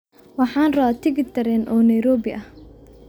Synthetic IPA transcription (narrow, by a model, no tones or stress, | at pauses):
wɑħɑːnrɐβaːt̪ʰɪɡɪt̪ʰɐɾɛnʔɔːnɛjɾɔːbɪʔɐh